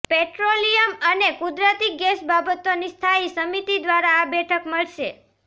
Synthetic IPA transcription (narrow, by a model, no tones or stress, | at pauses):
pɛʈɾolijəmənekud̪ɾət̪ik̚ɡɛsbabət̪onist̪ʰaisəmit̪id̪ʋaɾaːbɛʈʰəkməɭʃe